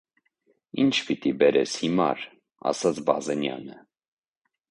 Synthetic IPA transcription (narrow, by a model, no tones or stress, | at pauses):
int͡ʃʰpit̪ibɛɾɛshimɑ̰ɾ | ɑ̰sɑt͡sʰbɑzɛnjɑ̰nə